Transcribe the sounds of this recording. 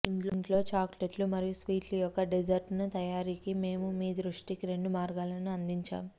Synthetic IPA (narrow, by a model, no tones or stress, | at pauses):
iɳʈlɳʈlo̞ːt͡ʃaːkleʈlumɐɾijusʋiːʈlɐjɔkːɐɖid͡ʒɐɾʈnut̪ɐjaːɾiːkime̞ːmumiːd̪ɾuʂʈikiɾe̞ɳɖumaːɾɡaːlɐnuɐnd̪iɲt͡ʃa̰ːm